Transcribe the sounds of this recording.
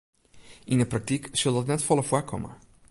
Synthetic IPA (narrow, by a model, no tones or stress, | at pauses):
indəprak̚tiksɵlˠdɔtnɛtfɔlˠəfwakʰɔ̰mə̰